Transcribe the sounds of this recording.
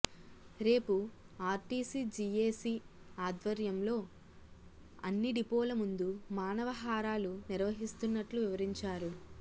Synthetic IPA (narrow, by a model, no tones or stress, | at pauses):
ɾe̞ːpu | aːɾʈiːsiːd͡ʒieːsiːaːd̪ʋɐɾjɐmlo̞ː | ɐnːiɖipoːlɐmund̪umaːnɐʋɐɦaːɾaːluniɾʋɐɦist̪unːɐʈluʋiʋɐɾiɲt͡ʃaːɾu